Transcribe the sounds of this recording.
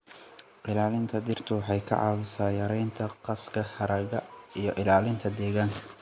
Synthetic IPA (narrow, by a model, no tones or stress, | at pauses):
ʔɪlaːlɪnt̪ʰɐd̪ɪrt̪ʰʊwħɑjkʰɐ̰ʕɑ̰ːwʊsaːjɐɾɛjnt̪ʰɐqɑskʰɐħɑɾɐɣɐijɞʔɪlaːlɪnt̪ʰɐd̪ɛːɣaːŋkʰɐ